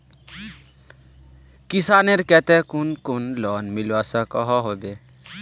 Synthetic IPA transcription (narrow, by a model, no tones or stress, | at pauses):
kisaːneɾkɛt̪ɛkunkunlɔːnmilwasakɔɦɔɦobe